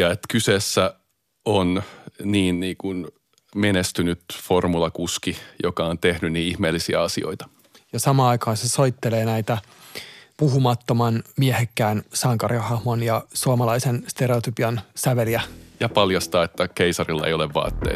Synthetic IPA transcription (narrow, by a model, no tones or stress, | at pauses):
jɑet̪kysesːæ | onniːnniːkun | menest̪ynyt̪formulɑkuskijokɑont̪ehnynniːihmeːlːisiæɑsio̰it̪ɑ̥ | jɑsɑmɑːɑikɑːnsesoit̪ːeleːnæit̪æ | puɦumɑt̪ːomɑnmiehekːæːnsɑŋkɑriɑhɑhmonjɑsuomɑlɑisenst̪eɾeot̪ypiɑnsæʋeliæjɑpɑljɑst̪ɑːet̪ːækeisɑrilːɑḛjoleʋʋɑ̰ːt̪ːḛi